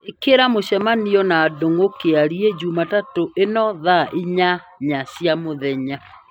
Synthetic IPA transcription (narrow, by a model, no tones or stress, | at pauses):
ekeɾamoɕɛmaniɔnaːdoŋokeaɾied͡ʑumatatoʔenɔðaʔiɲa | ɲaɕjamoðɛɲa